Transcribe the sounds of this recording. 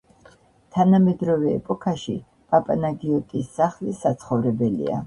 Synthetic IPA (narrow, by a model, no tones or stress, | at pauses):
t̪ʰanamɛd̪ɾɔvɛ̰ːpʼɔkʰaʃḭ | pʼapʼanaɡiɔt̪ʼisːaχlisat̪sʰχɔvɾɛbɛlḭa̰